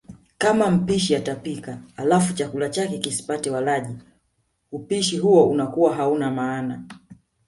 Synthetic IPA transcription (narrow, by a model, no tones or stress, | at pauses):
kamam̩piʃiatapikaalafut͡ʃakulat͡ʃakɛkisi̥patɛwalaʄi | upiʃiɦuɔunakuwaɦaunamaːna